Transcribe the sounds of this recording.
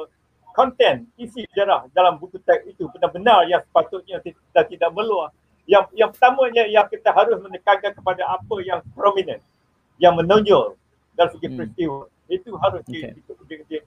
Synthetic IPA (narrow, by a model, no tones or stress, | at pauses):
kɔnt̪ɛnisid͡ʒaɾahdalambukut̪ɛk̚it̪upənahbənarjaŋsə̥pat̪ʊt̪̚ɲãt̪i | t̪at̪idaʔməluah | jaŋjaŋpərt̪amãɲãijakit̪aɦaɾʊsmə̃nəkaɡakəpadaapəjaŋpɾɔmĩnə̃n | jaŋmə̃nõɲd͡ʒʊl | dalisəɡipɾɛst̪iwə | it̪uɦaɾʊskeit̪ʊʔkəd͡ʒəkət̪i